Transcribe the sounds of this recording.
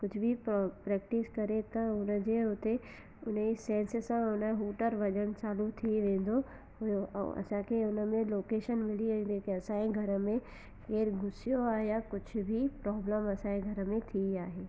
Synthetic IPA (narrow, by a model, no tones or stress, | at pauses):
kʊd͡ʑʱʊbʱɪppɾɛːk̚ʈɪskɐɾet̪ɐʊnə̆d͡ʑeːɦʊt̪e | ʊnəisɛ̃ːnssãʊnəɦuːʈəɾʋɐʄəɽ̃t͡ɕaːlut̪ʰiʋẽːn̆d̪o | ɦʊjoʔɛ̰̃ʔɐ̰sãkʰeʊnəmẽloːkeːʃənmɪɽĩnd̪ekeɐsãːẽɡʱɐɾəmẽ | keːɾɡʱʊsijoaːɦejakʊd͡ʑʱʊ̆bʱipɾɔːbləmɐsãẽɡʱɐɾə̆mẽt̪ʰiaːɦeː